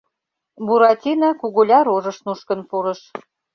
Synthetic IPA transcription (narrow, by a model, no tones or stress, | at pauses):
buɾɑtʲinɑkuɣolʲɑɾoʒɤ̆ʃnuʃkə̆npuɾɤ̆ʃ